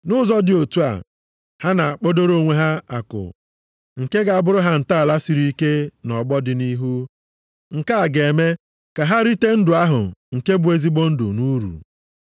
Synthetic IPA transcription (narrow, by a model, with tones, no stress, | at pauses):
nʊ˦zɔ˦dɪ˨o˨tu˦a̰˨ | ha˦na˨k͡po˦do˦ɾo˦˨ŋʷe˦ɦa˦a̰˨kʊ̰˨ | ŋ̩˨ke˦ɡa˨a˦bʊ˦ɾʊ˦ɦa˦n̩˨ta˦a˨la˦si˨ɾi˦i˦ke˦nɔ˨ɡ͡bɔ˦dɪ˨ni˦ɦu˦ | ŋ̩˨ka˦a˨ɡe˨me˦ | ka˨ɦa˦ɾi˦te˦n̩˦dʊ˨a˦ɦʊ̰˨ŋ̩˨ke˦bʊ˨˦e˦zi˦ɡ͡bo˦n̩˦dʊ̰˨nu˦ɾṵ˨